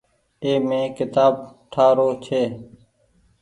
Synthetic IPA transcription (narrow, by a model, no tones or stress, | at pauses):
eːmẽːkɪt̪aːb̚ʈʰaːɾoːt͡ʃʰeː